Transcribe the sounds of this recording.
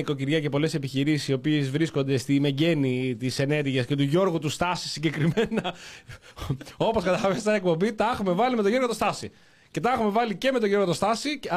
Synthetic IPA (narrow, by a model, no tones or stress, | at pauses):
ikociɾʝɐce̞po̞le̞se̞piçiɾisisio̞piezvɾisko̞nd̪e̞st̪ime̞ɟe̞nit̪ise̞ne̞ɾʝiɐsce̞t̪uʝo̞ɾɣut̪ust̪ɐsi̥siɲɟe̞kɾime̞nɐ | o̞po̞skɐt̪ɐɐvest̪ɐek̚po̞mbit̪ɐexume̞vɐlimet̪oʝoɾɣo̞t̪ost̪ɐsi | ce̞t̪ɐexume̞vɐlice̞me̞t̪o̞ʝo̞ɾɣot̪ost̪ɐsi